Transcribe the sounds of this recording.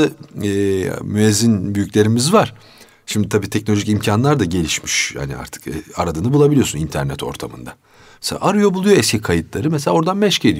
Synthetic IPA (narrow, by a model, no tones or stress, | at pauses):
ɯː | myɛzːinbyjycʲlʲe̞ɾimizvaɾ̥ | ʃimd̪it̪ʰabiːt̪ʰɛc̚no̞lʲoʒicimcʰanlˠaɾd̪aɟe̞lʲiʃmi̥ʃha̰nḭa̰ɾt̪ʰɯ̥kɛa̰ɾad̪ɯnabulˠabilʲijo̞sunint̪ʰæɾnɛt̪ʰo̞̰ɾt̪ʰamɯ̰nd̪a | mɛsḛa̰ʔaɾɯjo̞bulˠujo̞ɛscʰikʰajɯt̪lˠaɾɯmeselʲaoɾd̪anmɛʃce̞d̪ʲi